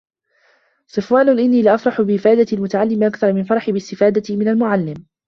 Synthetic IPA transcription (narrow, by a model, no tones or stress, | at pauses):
sˤɨfwaːnʊʔɪnːiːlɪʔafɾˤɑħʊbɪʔɪfaːd̪at̪ɪlmʊt̪aʕalːɪmʔakθɑɾˤmɪnfɑɾˤɑħɪbɪst̪ɪfaːd̪amɪnalmʊʕalːɪm